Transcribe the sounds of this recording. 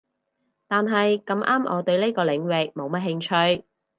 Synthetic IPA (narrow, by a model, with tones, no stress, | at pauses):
t̪aː˨nɦɐ˨jkɐ˧mʔaː˥mʔɔ̰ː˨˧t̪ɵ˧ɥle˥jkɔː˧lɪ˨˥ŋwɪ˨k̚mo˨˧wmɐ˥t̚hɪ˧ŋt͡ʃʰɵ˧ɥ